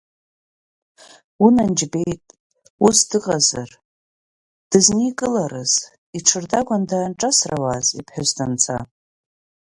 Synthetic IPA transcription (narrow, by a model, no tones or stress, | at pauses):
unand͡ʒbe̞jtʼ | usdɨqʼaza̰r | d̥ɨznikʼɨlaɾɨz | iʈ͡ʂʰɨrdaɡʷandaːnʈ͡ʂʼasrawazipʰħazdant͡sʰa̰